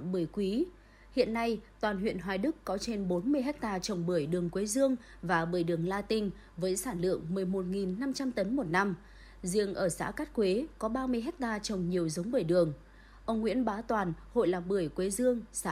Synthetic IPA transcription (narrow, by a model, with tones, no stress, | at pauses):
ɓɨ˧˩əjkwi˨˦ | hḭ˧˨ənːa˧jt̪waː˨˩nɦwḭ˧˨ənɦwaː˨˩jɗɨ˦˥kkɔ˨˦t͡ɕe˧nɓo˨˦nmɨ˧əjɦɛ˦˥k̚t̪aː˧t͡ɕə˨˩wŋ͡mɓɨ˧˩əjɗɨ˨˩əŋkwe˨˦zɨ˧əŋ | vaː˨˩ɓɨː˧˩əjɗɨ˨˩əŋlaː˧t̪ï˧ŋ̟ | vəː˨˦jsaː˧˩nlɨ̰˧˨əŋmɨ˨˩əjmo˨˩t̚ŋi˨˩nːa˧mt͡ɕa˧mt̪ə˨˦nmo˨˩t̚na˧m | zi˧˩əŋʔəː˧˩sa̰ː˧˥kaː˦˥t̚kwe˨˦kɔ˨˦ɓaː˧mɨ˧əjɦɛ˦˥k̚t̪aː˧t͡ɕə˨˩wŋ͡mɲi˨˩əwzə˨˦wŋ͡mɓəː˧˩jɗɨ˨˩əŋ | ʔə˧wŋ͡mŋwḭ˧˥ənɓaː˨˦t̪waː˨˩nho̰˧˨jlaː˨˩p̚ɓɨ˧˩əjkwe˨˦zɨ˧əŋsa˧˥